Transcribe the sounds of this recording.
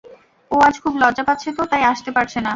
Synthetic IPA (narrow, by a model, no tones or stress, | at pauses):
oad͡ʑkʰublɔdd͡ʑapat̪ːɕʰet̪ot̪ajaʃt̪epaɾt͡ɕʰena